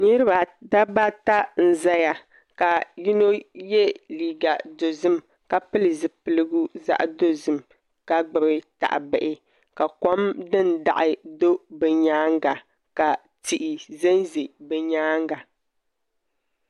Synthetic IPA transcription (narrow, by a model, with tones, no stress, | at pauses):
ɲɨ˦ɾɨ˦ba˨da˦ba˦ta˦n̩˨za˦ja˨ | ka˨ji˦no˦jɛ˦liː˨ɡa˨do˨zɨ˦m | ka˨pɨ˦lɨ˨zɨ˨pɨ˨lɨ˦ɡu˦za̰˦ʔdo˦zɨ˦m | ka˦ɡ͡bɨ˨bɨ˦ta̰˨ʔɪ̰˨bɛ˨ʔɪ˨ | ka˨kɔ˦mdɨ˦nda˨ʔɪ˦do˦bɛ˨ɲaː˦ŋ˦ɡa˨ | ka˨ | ti˨ʔɪ˨zɛ˦nzi˨bɛ˨ɲaː˦ŋ˦ɡa˨